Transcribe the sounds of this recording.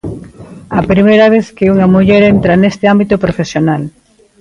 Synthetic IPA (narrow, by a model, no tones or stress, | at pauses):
ɐpɾimejɾɐβ̞eθkɪuŋɐmuʎɛɾent̪ɾɐnest̪ɪambit̪opɾofesjonal